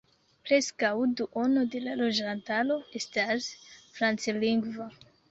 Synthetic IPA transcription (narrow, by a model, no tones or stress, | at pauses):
pɾe̞skawduʔo̞node̞lalo̞d͡ʒantalo̞e̞stasfɾant͡siliŋɡva